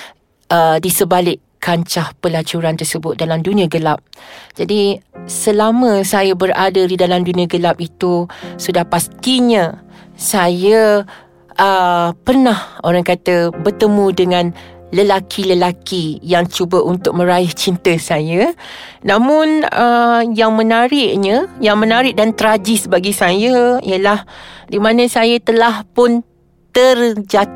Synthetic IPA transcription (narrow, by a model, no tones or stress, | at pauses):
ʔədisəbalɪʔkaɲt͡ʃahpəlat͡ʃuɾant̪ərsəbʊt̪̚dalamdunĩaɡəlap̚d͡ʒadisəlamə̃sajabəradadidalamdunĩaɡəlap̚it̪usudahpast̪iɲãsajə | ʔəpərnahoɾaŋkat̪əbərt̪əmudəŋãnləlakʰiləlakijaŋt͡ʃubəʔunt̪ʊk̚mə̃ɾaɪht͡ʃint̪əsajanãmʊnəjaŋmənaɾɪʔ̚ɲajaŋmə̃naɾɪʔ̚dant̪əɾad͡ʒɪsbaɡisajaḭəlahdimãnəsajat̪əlahpʊn | t̪ərd͡ʒa